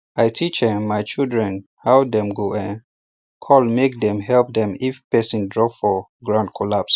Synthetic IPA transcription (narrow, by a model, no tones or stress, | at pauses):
aɪtʰit͡ʃəmaɪt͡ʃildɹɛ̃n | hawdɛ̃mɡoɛ̃n | kʰɔlmek̚dɛ̃mɦɛlp̚dɛ̃mifpɛsĩndɹɔfɔɡɹãndkʰɔlaps